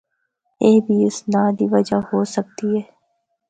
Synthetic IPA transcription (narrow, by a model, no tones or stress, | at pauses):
eːbʱiɪsnaːd̪iːʋɐd͡ʒahoːsək̚t̪iɦɛː